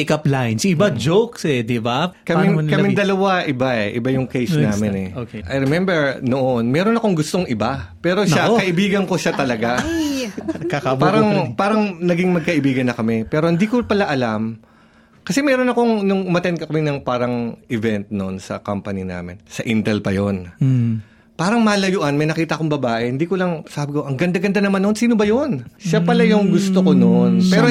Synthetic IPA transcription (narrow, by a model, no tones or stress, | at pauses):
kɐplajnsɪbad͡ʒowksɛd̪ɪbakɐmɪŋkɐmɪŋd̪ɐlɐwaʔɪbaʔɛʔɪ̰bajʊŋkejsnaːmɪnɛokʔɐjɹɛmɛmbɛɹnoʔonmɛːɾo̞nɐko̞ŋɡʊst̪oŋʔɪbapɛːɾo̞ʃakɐʔɪbiːɡɐnko̞ʃat̪ɐlɐɡa | kakabpaːɾɐŋpaːɾɐŋnɐɡiŋmɐɡ̚kɐʔɪbiːɡɐnːɐkɐmɛpɛːɾo̞hɪnd̪iːkopɐlaʔɐlam | kɐsɛmɛːɾonɐkoŋnʊŋʊmɐt̪ɛnkɐkɐmɛnɐŋpaːɾɐŋʔɪvɛnt̪̚no̞nsɐ̰kampɐnina̰ːmɪ̰nsɐʔint̪ɛlpɐjon | paːɾɐŋmaːlɐjʊʔɐnmɐjnɐkiːt̪ɐʔɐko̞ŋbɐbaːʔɛhɪnd̪iːkolɐŋsaːbɪkoʔɐŋɡɐnd̪aɡɐnd̪anɐmanːonsiːnobɐjonʃapɐlajʊŋɡʊst̪okononpɛːɾo